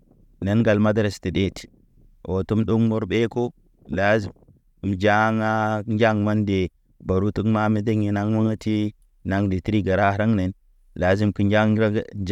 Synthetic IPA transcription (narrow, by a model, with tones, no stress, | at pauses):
ne˦nɡa˨lma˦dɾa˨sti˨de˦ti̥˨ | ʔo˨tu˦mɗu˦ŋmo˦ɾbe˦ko˦ | la˦zi˨ | d͡ʒa˦ŋa˦nd͡ʒa˦ŋma˦nde˨ | ba˨ɾu˦tu˦ŋma˦mi˦de˦ŋi˨na˦ŋma˦ŋa˦ti˦ | na˦ŋdi˨ti˦ɾi˦ɡa˨ɾa˦ɾa˦ŋne˨n | la˨˦zi˦mki˦nd͡ʒa˦